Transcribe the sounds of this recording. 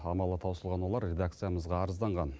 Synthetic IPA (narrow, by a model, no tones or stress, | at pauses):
ɑmɑlˠət̪ʰɑwsəlˠʁɑnwo̞lˠɑɾrʲe̞d̪ak̚t̪sɨjaməzʁɑːɾəzd̪ɑɴʁɑn